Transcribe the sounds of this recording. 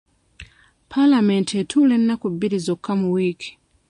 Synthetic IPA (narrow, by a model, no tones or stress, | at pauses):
pʰalamentetʰulenːakubːiɾizokʰːamuwiːkʰi̥